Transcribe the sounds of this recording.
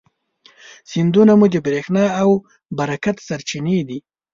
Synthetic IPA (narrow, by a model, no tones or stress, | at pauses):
sind̪unamud̪əbɾexnɑaw | baɾakat̪saɾt͡ʃined̪i